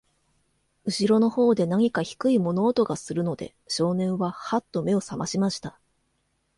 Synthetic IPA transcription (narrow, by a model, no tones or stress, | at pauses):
ɯ̟ɕiɾo̞no̞ho̞ːd̪e̞naɲ̟ikaçi̥kɯ̟imo̞no̞ːt̪o̞ɡasɨɾɯ̟no̞d̪e̞̰ɕo̞ːnẽ̞ɰ̃βahat̪ːo̞me̞o̞samaɕimaɕi̥t̪a